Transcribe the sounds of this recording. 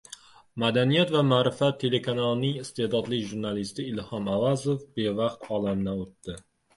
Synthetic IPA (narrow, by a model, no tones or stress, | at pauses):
mad̪anijat̪vamaːɾɪfat̪ʰːe̞le̞kʰanalˠnɪŋɪst̪ehd̪ɒd̪lɪkʲʒuɾnalɪst̪ɪɪlhɒmavazofbe̞vɑqt̪ɒlˠamnaot̪ːɪ